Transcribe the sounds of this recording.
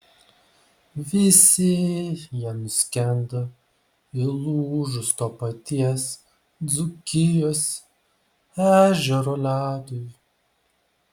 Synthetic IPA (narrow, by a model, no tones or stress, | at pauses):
ʋʲɪsʲɪjiɛnʊsʲkʲɛnd̪o | ɪlˠuːʒʊst̪oːpɐt̪ʲiɛs | d̪zʊkʲɪjoːs | æːʒʲɛɾoːlʲæːd̪ʊj